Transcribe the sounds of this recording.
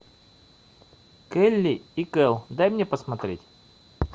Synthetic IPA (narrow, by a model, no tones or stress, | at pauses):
kɛlʲːɪikɛlˠd̪ajmnʲepəsmɐt̪ɾʲetʲ